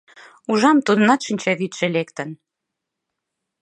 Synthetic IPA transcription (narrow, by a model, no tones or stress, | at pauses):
uʒɑmt̪ud̪ə̆nɑt̪ʃinʲt͡ɕɑβit̪ʃĕlekt̪ən